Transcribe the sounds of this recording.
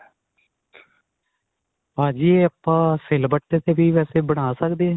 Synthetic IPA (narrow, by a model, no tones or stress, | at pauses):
pãːd͡ʒiːeəpːãːsɪlbəʈːeːt̪eːbiːʋɛːseːbəɽ̃aːsəkd̪eː